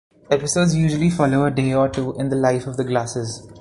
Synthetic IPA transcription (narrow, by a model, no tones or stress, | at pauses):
ɛpɪsoːɖzjuːʒəlifɔloːəɖeːɔːʈuːʔɪ̃nd̪əlaɪfɔʋd̪əɡlaːsɪz